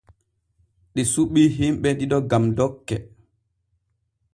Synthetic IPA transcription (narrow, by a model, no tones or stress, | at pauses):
ɗisuɓiːɦimɓɛɗiɗɔɡamdɔkːɛ